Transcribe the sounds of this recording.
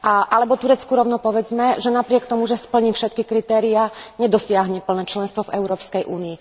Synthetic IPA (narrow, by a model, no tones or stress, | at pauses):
ʔaʔalɛbɔt̪uɾɛt͡skuɾɔʊnɔpɔʋɛd͡zmɛʒɛnapɾɪɛkt̪ɔmuʒɛspl̩ɲifʃɛt̪̚kikɾit̪ɛːɾiaɲɛd̪ɔsɪaɦɲɛpl̩nɛːt͡ʃlɛnst̪ʋɔvɛʊɾɔːpskɛjʔuːniː